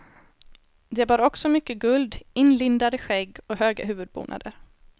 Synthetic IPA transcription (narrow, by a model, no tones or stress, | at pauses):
d̪ɛbɑːɾɔksɔmʏkːəɡɵld̪ɪnlɪnd̪ad̪əɧɛɡːɔɦøːɡa̰ɦʉ̟ːvɵd̪̚bṵːnʔa̰d̪ə̰ɾ